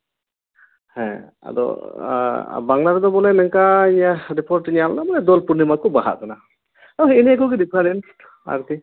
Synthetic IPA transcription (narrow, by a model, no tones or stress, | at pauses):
hɛ̰̃ | a̰d̪ɔ̰ | baŋlad̪ɛd̪ɔbɔlɛnɛŋkaiɲaɾipɔɾʈiɲalnamɔnɛd̪ɔlpuɾnimakɔbaɦa̰ʔkana | ɔɦiniɛkɔɡid̪ipʰaɾɛn | a̰ɾt̪ʰi